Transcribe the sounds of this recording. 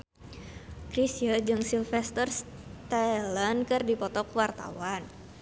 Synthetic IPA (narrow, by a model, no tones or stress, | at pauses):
kɾisiad͡ʒɨŋsilfɛst̪ərst̪alankɨrdipɔt̪ɔkwart̪a̰wan